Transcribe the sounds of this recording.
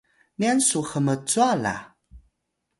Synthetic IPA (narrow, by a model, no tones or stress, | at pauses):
niansuxəmət͡suala̰